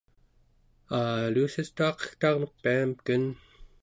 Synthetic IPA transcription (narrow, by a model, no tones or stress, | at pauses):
aluːsist̪uɑqʌ̥xt̪ɑʁnok̚piamkən